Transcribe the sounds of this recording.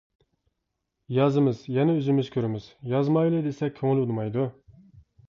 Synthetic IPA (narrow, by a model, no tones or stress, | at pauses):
jɑzɨmɨzjɛnɛøzɪmɪz̥kʲʰøɾɪmɪz̥jɑzmɑjlˠɨd̪esɛk̚ʲʰøŋɪlulˠmɑjd̪u